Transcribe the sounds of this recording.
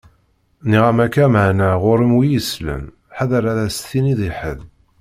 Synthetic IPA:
niʁæmækːæməʕnæʁʊɾəmwijəslə̰n | ħaðəɾæðæsθiniðiħə̰ð

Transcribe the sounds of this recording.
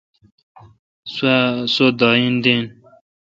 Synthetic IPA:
ssod̪ɑːind̪in

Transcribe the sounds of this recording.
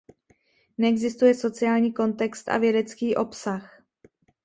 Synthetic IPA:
nɛɛɡzɪst̪ujɛso̞t͡sɪaːlɲiːko̞nt̪ɛkst̪ʔa̰vjɛdɛt͡skiːʔo̞psax

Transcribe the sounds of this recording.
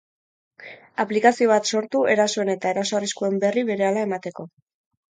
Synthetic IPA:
aplikasio̞β̞at̪so̞ɾt̪ue̞ɾaso̞e̞ne̞t̪ae̞ɾasoariskue̞mbe̞riβe̞ɾe̞alae̞mat̪e̞ko̞

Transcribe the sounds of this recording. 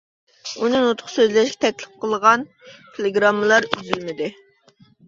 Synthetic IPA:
unɨnut̪ʰχsøzlɛʃɡʲɛ̥t̪ʰɛkʲlɪ̥p̚qʰəlˠʁɑn | t̪ʰelˠeɡɾɑmːəlˠɑɾyzylmɪd̪ɪ

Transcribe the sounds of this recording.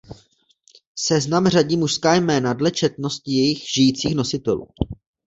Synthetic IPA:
sɛznamr̝aɟiːmuʃskaːjmɛːnadlɛt͡ʃɛt̪no̞st̪ɪjɛjɪxʒ̥ɪjiːt͡siːxno̞sɪt̪ɛlṵː

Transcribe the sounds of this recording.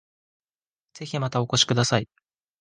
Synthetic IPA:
z̥e̞çimat̪aoko̞ɕi̥kɯ̟d̪asai

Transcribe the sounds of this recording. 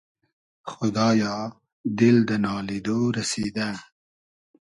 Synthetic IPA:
xʊd̪ɑːjɑ | d̪ɪld̪ənɑled̪oɾased̪a

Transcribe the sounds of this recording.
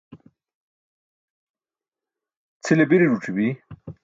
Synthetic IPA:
t͡sʰilebiɾiʐuʈ͡ʂʰibi

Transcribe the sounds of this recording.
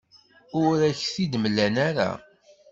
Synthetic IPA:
ʊɾæçθid̪məlːænæɾa̰

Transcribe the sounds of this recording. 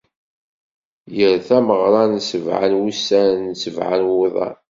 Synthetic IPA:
jəɾθæməʁɾˤɑnsəvʕa̰nwusænsəvʕa̰nweðˤɑ̰n

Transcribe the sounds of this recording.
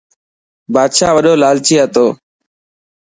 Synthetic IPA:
baːd̪ʃaːʋəɗoːlaːlt͡ʃiːɦət̪oː

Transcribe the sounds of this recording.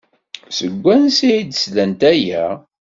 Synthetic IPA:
səɡʷːænsiid̪əslænt̪æjæ

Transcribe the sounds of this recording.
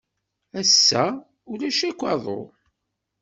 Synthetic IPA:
æsːæ | ʊlæʃækʷːɑðˤo̰

